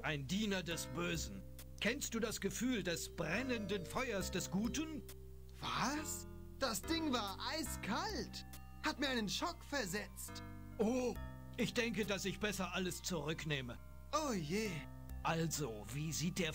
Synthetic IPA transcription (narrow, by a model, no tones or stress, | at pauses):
ʔaɪndiːnɐdɛsb̥øːzn̩ | kʰɛnst̚d̥uːdasɡ̥əfyːldɛsb̥ʁɛnəndənfɔʏɐsd̥ɛsɡ̥uːtən | v̥as | d̥asd̥ɪŋvaːɐʔaɪskʰalt | hatmiːɐaɪnənʃɔkfɛɐzɛt͡st | ʔoː | ʔɪçd̥ɛŋkədasɪçb̥ɛsɐʔaləst͡suʁʏkneːmə | ʔojeː | ʔalzoviːziːt̚d̥eːɐ